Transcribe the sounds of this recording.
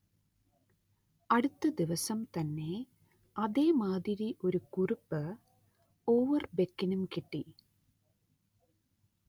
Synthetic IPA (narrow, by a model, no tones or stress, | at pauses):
ɐɽut̪ːɐd̪iʋɐsɐmt̪ɐnːe̞ | ɐðeːmaːðiɾiʔo̞ɾukurupːɨ | oːʋɐrbekːinumkiʈːi